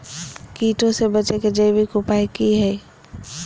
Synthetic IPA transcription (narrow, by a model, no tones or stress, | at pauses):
kiːʈõsebɐt͡ʃeked͡ʒəjbikʊpaːikiɦɛː